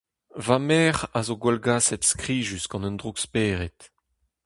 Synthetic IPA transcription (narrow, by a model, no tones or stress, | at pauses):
vamɛːʁazoɡwɛlɡaːsɛt̪skʁiːʒysɡɑ̃nənd̪ʁukspɛːʁet̪